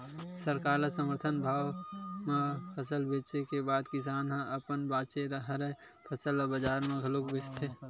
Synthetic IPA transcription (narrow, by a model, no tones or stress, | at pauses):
səɾkaːɾlasəməɾt̪ʰənbʱaːwmẽpʰəsəlbeːt͡ʃekebaːd̪kɪs̬aːnɦãʔəpənbaːt͡ʃeɾəɦɾə | pʰəsəlɔːbəd͡ʒaːɾmẽɡʱəlokbɪst̪ʰeː